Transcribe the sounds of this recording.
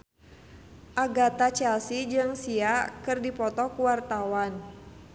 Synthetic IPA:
ʔaɡat̪at͡ʃɛlsid͡ʒɨŋsiakɨrdipɔt̪ɔkuwart̪awan

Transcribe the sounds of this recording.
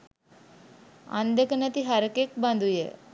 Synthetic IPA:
ã̰nd̪əkənət̪iɦaɾkek̚band̪ujḛ

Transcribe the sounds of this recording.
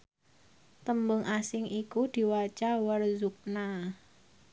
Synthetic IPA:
t̪əmbʊŋʔasɪŋʔikud̪̥i̤wat͡ʃawərzuk̚na

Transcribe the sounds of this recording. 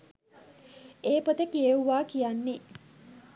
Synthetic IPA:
eːpot̪əkijeuʋaːkijanːe

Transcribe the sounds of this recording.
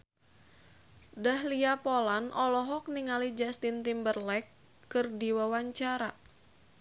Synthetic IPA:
dahliapolanʔɔlɔɦɔk̚niŋalid͡ʒast̪int̪imbərlɛkː | ɨrdiwawaɲt͡ʃaɾa

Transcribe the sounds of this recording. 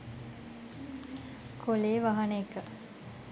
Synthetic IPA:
kʰoleːʋaɦɐneekːə

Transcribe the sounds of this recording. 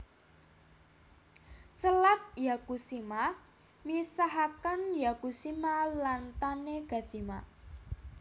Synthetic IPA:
səlat̪̚jakusima | misaɦakanjakusimalant̪aneɡ̥a̤sima

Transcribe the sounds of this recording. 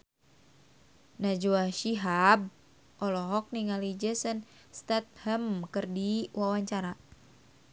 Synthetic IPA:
nad͡ʒuaʃiɦab̚ | ʔɔlɔɦɔk̚niŋalid͡ʒəsən | st̪at̪̚həmkɨrdiwawaɲt͡ʃaɾa

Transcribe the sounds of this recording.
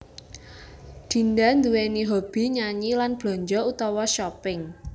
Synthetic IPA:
d̪̥i̤ndand̪uweniɦob̥i̤ɲaɲilanb̥lɔ̤ɲd͡ʒɔut̪ɔwɔʃɔpɪŋ

